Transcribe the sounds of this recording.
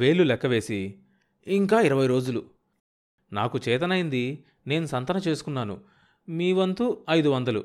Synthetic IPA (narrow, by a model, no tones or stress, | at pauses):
ʋe̞ːɭːulɛkːɐʋe̞ːsi | iŋkaːiɾɐʋɐjɾo̞ːd͡ʒulu | naːkut͡ʃɛːt̪ɐnɐjind̪i | ne̞ːnusɐnt̪ɐnɐt͡ʃe̞ːsu̥kunːaːnṵ | miːʋɐnt̪uɐjd̪uʋɐnd̪ɐlṵ